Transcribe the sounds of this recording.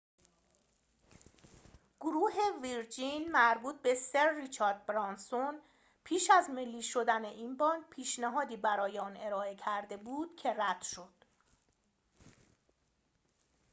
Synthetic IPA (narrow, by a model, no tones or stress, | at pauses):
ɡ̥oɾuːɦe̞viɾd͡ʒinmæɾbuːt̪̚be̞seɾːit͡ʃʰɒːɾd̪̚bɾɒnson | pʰiːʃæzmelːiːʃo̞d̪æneʔinbɒːnd̪pʰiːʃnæɦɒːd̪iːbæɾɒːjeɒːne̞ɾɒːe̞cʰæɾd̪e̞buːd̪̥cʰe̞ræd̪̥ʃo̞d̪̥